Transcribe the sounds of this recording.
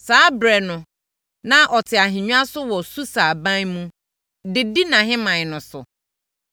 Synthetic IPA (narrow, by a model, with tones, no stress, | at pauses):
saː˨˦bɾɛ˨nʊ̃˨ | nã˦ʔɔ˨tʰɪ˨a˨ɦĩ˨ɲᶣũ˦a˦sʊ˦wɔ˨su˦sa˨bã˦nmũ˦ | dɪ˨di˦nã˨ɦɪ̃˦mã˨ɲ˨nʊ̃˨sʊ̰˨